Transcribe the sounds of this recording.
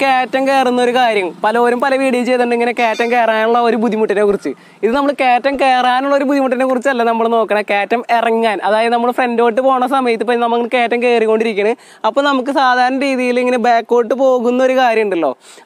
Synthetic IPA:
keːtːɐmke̞ːrunːɐo̞ɾukaːɾjɐmpɐlɐo̞ːɾumpɐlɐʋiːɽijt͡ɕejt̪ːuɳɖiŋːɐnekeːtːɐmke̞ːraːnuɭːɐo̞ɾubud̪ʱːimuʈːineːkːurit͡ɕːɨ | iðɨnɐmːɐɭkeːtːɐmkeːraːnuɭːɐo̞ɾubud̪ʱːimuʈːinekurit͡ɕːɐlːɐnɐmːɐɭno̞ːkːɐɳɐkeːtːɐmerɐŋːaːnʔɐðaːjɐðɨnɐmːɐɭfrendo̞ːʈ̬ːɨpo̞ːɳɐsɐmɐjɐt̪ːɨpːonɐmːɐke̞ːtːɐmke̞ːrikːo̞ːɳɖiɾik̬ʲːɐɳɐ | ɐpːoːnɐmukːɨsaːd̪ʱaːɾɐɳːɐɾiːðijiliŋːɐnebaːkːo̞ːʈːɨpo̞ːɣunːɐo̞ɾukaːɾjɐmuɳɖilːo̞̰ː

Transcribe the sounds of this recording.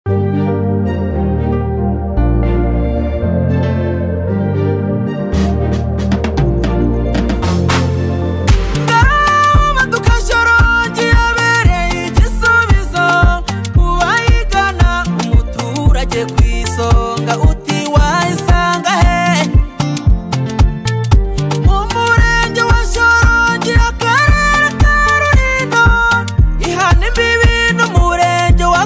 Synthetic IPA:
ŋɡamatukaʃoɾoɟijaβeɾeicisuβizo | kuwajikanaumutuɾaɟekwisoŋɡaʔutiwaisaŋɡahe | mumuɾeɲɟewaʃoɾoɲɟijakeɾeɾekeɾuɾino | ihanimbiβinumuɾeːɲɟewa

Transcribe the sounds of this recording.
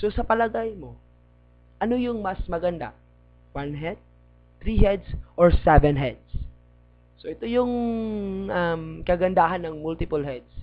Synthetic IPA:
so̞sɐpɐlɐɡajmo̞ | ʔɐno̞jʊŋmɐsmɐɡɐnd̪a̰ | wanɦɛd̪̚ | t̪ɾiɦɛd̪sʔoɹsɛvɛnɦɛd̪̚sː | oʔɛt̪o̞jʊŋ | ʔɐmkɐɡɐnd̪aɦɐnːɐŋmult̪ɪpʊlɦɛd̪s

